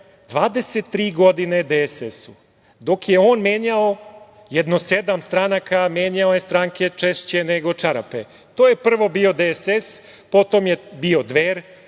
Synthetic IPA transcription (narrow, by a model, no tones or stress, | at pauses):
d̪ʋaːd̪eset̪ːɾiːɡo̞d̪ined̪esesu | d̪o̞kjeoːnmjeːɲao | jed̪nosed̪amst̪ɾanakʰamjeːɲaojest̪ɾaŋkʰe̞t͡ʃeʃt͡ɕe̞neɡo̞t͡ʃaɾa̰pḛ | t̪oːjepr̩ʋo̞bio̞d̪eeses | po̞t̪omjebio̞d̪ʋeːɾ